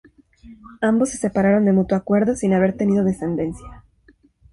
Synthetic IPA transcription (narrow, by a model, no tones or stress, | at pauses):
ambosːe̞sepaɾaɾo̞nd̪e̞mut̪woakwe̞ɾðosinaβ̞e̞ɾt̪e̞niðoð̞e̞se̞nd̪e̞nsja